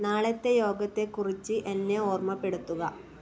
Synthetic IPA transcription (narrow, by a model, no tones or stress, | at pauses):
naːɭɐt̪ːe̞jo̞ːɡɐt̪ːe̞kurit͡ɕːɨʔenːeoːrmɐpːeɽut̪ːuɣɐ